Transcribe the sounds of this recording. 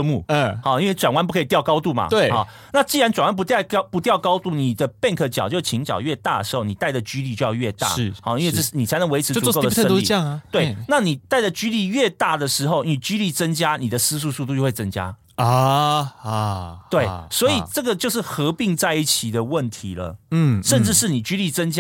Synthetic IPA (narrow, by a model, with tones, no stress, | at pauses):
mu˥˩hɑ˨˩i˥nwe˥˩ɪʈ͡ʂwa˨˩nwa˥npu˥˧kʰi˨˩t̪jʊkɑ˥ʊt̪u˥˩ma̰˩t̪we˥˩xɔ̰˥˩ | na˥˧t͡ɕi˥˩ɻa˧˦nʈ͡ʂwnwa˥np̬u˧˥t̪pu˧˥t̪jɑ˥˩ʊkɑ˥ʊt̪u˥˩ni˨˩d̪ə˦pjɛ˥˧nkʰɤ˨˩t͡ɕjɑ˨˩ʊt͡ɕjo˥˧ʊ˩t͡ɕʰi˧˥ŋt͡ɕjɑ̰˨˩ʊɥɛ˥˧t̪a̰˥˩d̪ə˩ʂɻ̩˧˥xo˥˩ʊni˨˩t̪a˥˩ɪʈ͡ʂə˩t͡ɕy˥li˥˧t͡ɕjo˥˧jɑ˥˧ʊɥɛ˥˧t̪a̰˥˩˥xɑ̰˥˧˩i˥nwe˥˧ɪʈ͡ʂ̩˥˧˩ni˨t͡sʰa˧˥ɪnə˧˥ŋwe˧˥ɪʈ͡ʂ̩ʰ˧˥u˧ko˥ʊə˥ə˥˨˥ŋ˨t̪we˥˩ɪna˥˩ni˨˩t̪a˥˩ɪʈ͡ʂə˨˩t͡ɕy˥li˥˧ɥɛ˥˧t̪a˥˩d̪ə˩ʂɻ̩˧˥xo˥˩ʊni˨˩t͡ɕy˥li˥˩t͡sə˥ŋt͡ɕja˥ni˨˩d̪ə˩˦sɹ̩˥s̬u˥˧su˥˧t̪u˧jo˥˧we˥˩t͡sə˥ŋt͡ɕja̰˦ | t̪we˥˩ɪswɔ˧˥i˨˩ʈ͡ʂɤ˥˩ɡə˨t͡ɕjo˥˧ʊʂ̬̩˥˩xɤ˧˥pi˥˧ŋt͡sa˥˧ɪi˥˩t͡ɕʰi˨˩d̪ə˦wə˥˩nt̪ʰi˧˦lə̰˨˥˩ʂə˥˧nʈ͡ʂɻ̩˥˧ʂɻ̩˥˩ni˨˩t͡ɕy˥li˥˩t͡sə˥ŋt͡ɕ